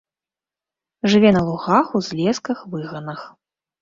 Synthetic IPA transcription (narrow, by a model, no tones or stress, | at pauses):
ʐɨvʲɛnɐlˠuɣaxuzʲlʲɛskɐxvɨɣɐnɐx